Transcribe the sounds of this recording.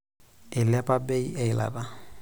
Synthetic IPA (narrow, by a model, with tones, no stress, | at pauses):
ɪ˨lɪ˦a˦pʼa˦be˦i˦ɛ˨ɪ˨la̰˨da˨